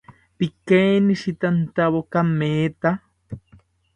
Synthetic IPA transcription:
pikeːniʃit̪ant̪aβokamːeːt̪a

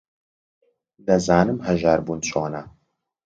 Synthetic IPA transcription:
d̪ɐzaːnɨmhɐʒaːɾbunt͡ʃʼoːnɐ

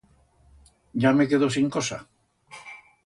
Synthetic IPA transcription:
ɟ͡ʝamekeðos̬iŋkosa̰

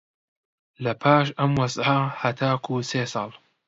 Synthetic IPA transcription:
lɐpʰaːʃɐmwɐzʕɐhɐt̪ʰaːkʰuːseːsɑːlˠ

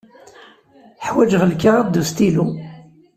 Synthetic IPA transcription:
ħwæd͡ʒʁəlkaʁad̪ːust̪ilu

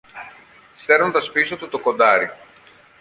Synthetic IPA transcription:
st̪e̞ɾont̪ɐspisot̪ut̪oko̞nd̪ɐɾi

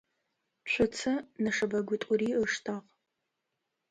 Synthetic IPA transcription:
t͡ɕʷʰʊt͡sʰɐnɐʂɐbɐɡʷʊtʼʊriːəʂtʰaʁ

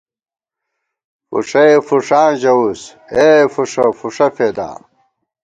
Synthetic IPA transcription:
fṵʂɐefuʂaːʑɐus | efuʂɐfuʂɐfeːd̪ã̰ː

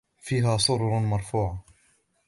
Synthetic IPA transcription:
fiːɦaːsˤʊɾˤɾˤmɑɾˤfuːʕa

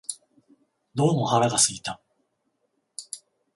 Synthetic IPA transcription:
d̪o̞ːmo̞haɾaɡasɨɡʲit̪a

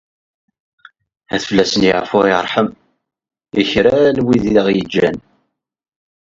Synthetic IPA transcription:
æθfəlːæsənjə̰ʕfʊɾḭɾˤħəm | içɾæalwiðiləʁjəd͡ʒːæn

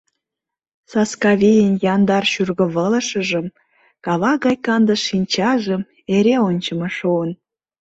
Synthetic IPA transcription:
sɑskɑβʲijənjɑnd̪ɑrʃyrɣə̆βələʃə̆ʒə̆m | kɑβɑɣɑjkɑnd̪əʃːinʲt͡ɕɑʒə̆m | eɾeonʲt͡ɕəmɑʃuən

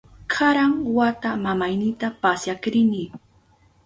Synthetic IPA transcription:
kʰaɾaŋwat̪amamajnɪt̪apasjakɾɪni

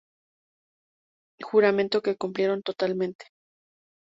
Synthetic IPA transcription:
xuɾamẽnt̪o̞ke̞kumplje̞ɾo̞nt̪o̞t̪almẽnt̪e̥

